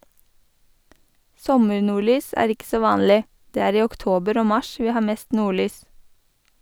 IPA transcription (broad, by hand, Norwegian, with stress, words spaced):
ˈsɔməɹnuːˌɭyːs ˈæːɾ ˈɪk ˈsoː ˈʋɑːnlɪ ˈdeː ˈæːɾ ˈiː ɔkˈtoːbəɾ ˈoː ˈmɑʃ ˈʋiː ˈhɑː ˈmeːst ˈnuːˌɭyːs